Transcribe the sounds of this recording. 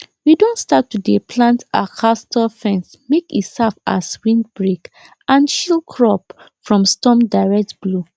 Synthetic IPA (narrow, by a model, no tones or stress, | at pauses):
widõntstatːudepʰlãnta̰kʰastɔlfɛ̃ns | mekitsava̰swĩn̚bɹek | ʔãnʃilkʰɹɔp | fɹɔ̃mstɔ̃mdaɪɹɛk̚tblo